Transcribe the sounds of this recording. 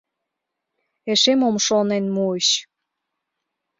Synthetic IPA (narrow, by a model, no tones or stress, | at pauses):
eʃemomʃonenmuiɕ